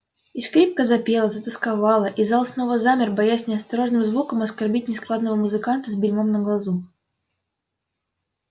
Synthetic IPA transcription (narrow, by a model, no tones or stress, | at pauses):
iskɾʲip̚kəzɐpʲe̞lˠəzət̪əskavɑlˠəʔizɑlˠsno̞vəzamʲɪrbɐjasʲnʲɪɐst̪ɐɾo̞ʐnɨmzvukəmɐskɐrbʲit̚ʲnʲɪsklˠad̪nəvəmʊzɨkant̪əzʲbʲɪlʲmomnəɡlˠɐzu